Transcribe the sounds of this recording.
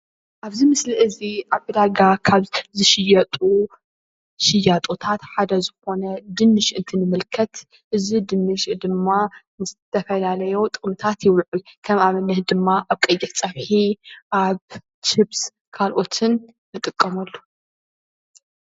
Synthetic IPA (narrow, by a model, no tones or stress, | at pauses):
ʔaβzimɨsliʔɨziʔaβʔɨd̪aɡakʰaβzɨʃɪjɐt̪ʼu | ʃɪjːat̪ʼot̪ʰat̪ħad̪ɐzɨxo̞nɐd̪ɨnːɨʃʔɨnt̪ʰɨnɨmɨlkʰɐt̪ | ʔɨzid̪ɨnːɨʃd̪ɨmːanɨzɨt̪ʰːɐfɐlalɐjo̞t̪ʼɨχʼmɨt̪ʰat̪jɪwlʕukʰɐmaβɐnɨhd̪ɨmːaʔaβkʼɐjːɪt̪t͡sʼɐβħiʔaβ | t͡ʃɨbs | kʰalʔo̞t̪ʰɨnː | ɨt̪ʼɨkʼːɐmɐlːu